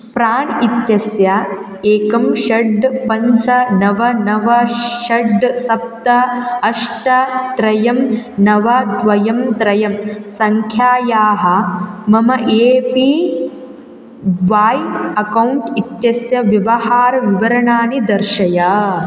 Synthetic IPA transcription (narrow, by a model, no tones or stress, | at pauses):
pɾaːɳit̪jɐsjɐ | eːkɐmʃɐɖpɐɲt͡ʃɐnɐʋɐnɐʋɐʃɐɖsɐp̚t̪ɐɐʂʈɐt̪ɾɐjɐmnɐʋɐd̪ʋɐjɐmt̪ɾɐjɐmsɐŋkʰjaːjaːɦɐ̆mɐmɐʔeːpi | ʋaːjɐkɐwɳʈit̪jɐsjɐʋjɐʋɐhaːɾɐʋiʋɐɾɐɳaːnid̪ɐɾʃɐjɐ